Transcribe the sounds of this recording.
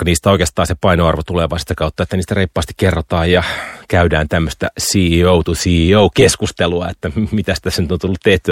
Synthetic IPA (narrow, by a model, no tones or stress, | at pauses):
kɑniːst̪æoikeːst̪ɑːnsepɑinoɑrʋot̪uleʋɑist̪ɑkɑut̪ːɑet̪ːæniːst̪æreipːɑːst̪i̥kkerːot̪ɑːjjɑkæydæːnt̪æmːøst̪æsiːouwt̪usiːoukeskust̪eluɑet̪ːæmit̪æsi̥t̪æsenyt̪ont̪ulːut̪t̪eht̪y